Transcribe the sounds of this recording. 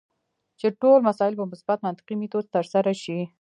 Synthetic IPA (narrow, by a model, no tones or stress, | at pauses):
t͡ʃeʈolmasɑɪlpəmʊsbat̪mant̪ɪ̥qimit̪ozt̪əɾsaɾaʃi